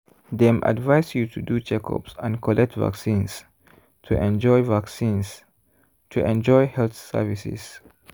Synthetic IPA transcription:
dɛ̃mʔa̰dvajsjutʰudut͡ʃɛkʰɔ̰psãnkʰɔlʔɛk̚tva̰ksĩns | tʰuʔɛ̃nd͡ʒɔjvaksĩns | tʰuʔɛ̃nd͡ʒɔjhɛlθsə̰visḭs

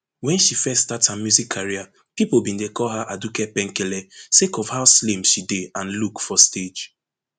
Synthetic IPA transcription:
wɛ̃nʃifɛstathamjuzikʰːaɹia | pipobĩndekɔlɦaʔadukɛpɛ̃ŋkɛlɛsekɔfhaʊslẽmʃideãnlukfɔsted͡ʒ

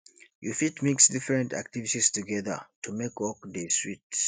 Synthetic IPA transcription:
jufitmiksdifɹɛ̃nta̰k̚tivitistuɡɛðə̰tʰumekɔk̚deswit

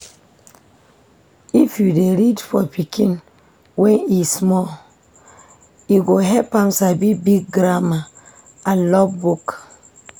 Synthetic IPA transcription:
ifjudeɾidfɔpikʰĩn | wɛ̃nismɔ | iɡoɦɛpãmsabibiɡ̚ɡɾama | alɔbbuk

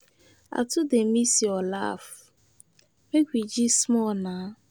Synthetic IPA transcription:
a̰tʊdemisiɔla̰f | meɡʷid͡ʒismɔna

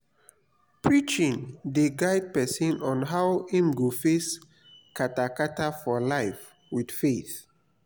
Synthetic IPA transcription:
pʰɹit͡ʃĩŋdeɡaɪd̚pɛsĩnɔ̃nɦawĩmɡofes | kʰatakatafɔlaɪf | wid̥feθ

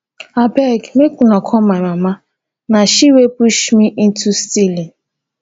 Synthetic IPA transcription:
abɛɡmekʷunɔkʰɔmamama | naʃiwepuʃmiʔin̩tustili

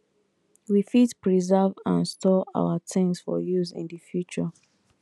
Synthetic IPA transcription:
wifitpɹizɛvãnstʰɔa̰watʰɪ̃ŋsfɔ̰juzḭ̃ndəfjut͡ʃə

